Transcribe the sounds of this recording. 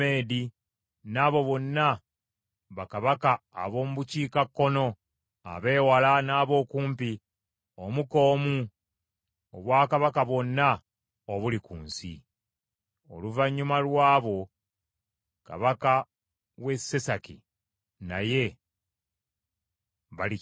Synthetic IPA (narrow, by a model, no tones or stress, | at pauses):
e̞ːdi | naːβo̞βo̞nːa | βakaβaka̰ːβo̞ːmuβuciːkakːo̞no̞ | a̰βe̞ːwalanaːβo̞ːkuːmpi | omuko̞ːmu | oβwaːkaβakaβwo̞nːa | oβulikṵːnsḭ | o̞̰luvaɲːumalwaːβo̞ | ka̰βaka | we̞se̞sakḭ | na̰je̞ | βali